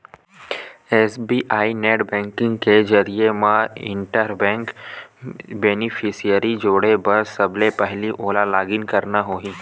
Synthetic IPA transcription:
ɛːsbiːʔaːineːʈbɛ̃ːŋkɪ̃ŋɡked͡ʒəɾiemãɪ̰̃ɳʈəɾbɛ̃ːŋk | beːnɪpʰɪsijəɾid͡ʒoːɽebɐɾsɐblepɛɦliʔoːlalaːɡɪnkɐɾnaɦoːiː

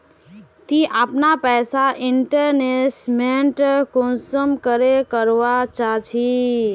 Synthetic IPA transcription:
t̪iʔapnapɛsaʔiɳʈəɾnesmeɳʈkonsəmkəɾekəɾʋat͡ʃat͡ʃʰi

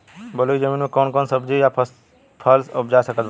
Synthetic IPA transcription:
bɐloɡizəmiːnmẽkɔːnkɔːnsɐbd͡ʑija | pʰɐlsʊpʰd͡ʒaːsɐkəd̪

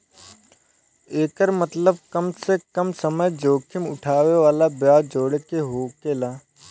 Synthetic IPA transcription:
eːkəɾmət̪ləb̚kəmsekəmsəməjd͡ʒoːkʰɪmʊ̰ʈʰaːweʋaːlabjaːd͡ʒoːɽkeɦoːkelaː

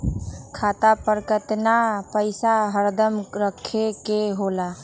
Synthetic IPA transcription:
kʰat̪apəɾkət̪napəɪsaɦəɾd̪əmɾəkʰːekeɦola

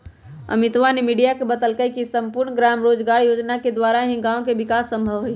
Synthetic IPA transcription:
ə̰mit̪ʋanemiɖijakebət̪əlkəjkisəmpuɾɳɡɾamɾod͡ʒɡaɾjod͡ʒnaked̪ʋaɾaɦĩɡãõkebikasːə̃mbʱəʋɦoj

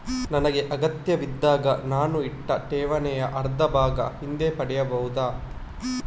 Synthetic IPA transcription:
nɐnɐɡe̞ʔɐɡɐt̪jɐʋid̪ːaːɡɐnaːnuiʈːɐʈ̪ɛːʋɐnɛjɐʔɐɾd̪ʱɐbʱaːɡɐ̰hind̪eːpɐɽɛjɐbɐɦud̪aː

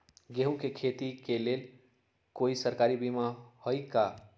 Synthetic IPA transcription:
ɡeɦũkekʰet̪ikelel | koisəɾkaɾibimahojka

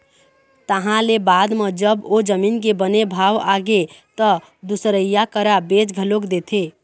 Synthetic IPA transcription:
t̪əɦãlebad̪med͡ʒəbod͡ʒəminkebənebʱaʋaɡet̪ə | d̪usɾəjakəɾabet͡ʃɡʱəlokd̪et̪ʰe

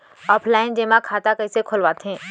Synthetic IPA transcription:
ɔːpʰlaːɪnd͡ʒeːmãkʰaːt̪akɐisekʰʊlʋaːt̪ɦɛ̃ː

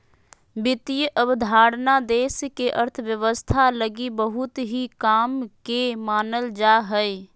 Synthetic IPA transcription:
bɪt̪ijəʔəbd̪ʱaːɽnad̪eːskeʔəɾt̪ʰəʋjəʋəst̪ʰaləɡibəɦʊt̪ɦikaːmkemaːnəld͡ʒaːɦɛe

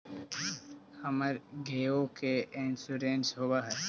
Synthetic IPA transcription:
hɐməɾɡeːokeeːnsuɾẽːnsɦoːbaɦɛ

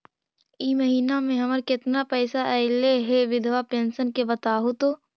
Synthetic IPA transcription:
iːməɦiːnamẽɦɐməɾkɪt̪napɛːsaʔɛleɦeʋɪd̪ʱʋapẽːnsənkebɐt̪aːɦot̪o

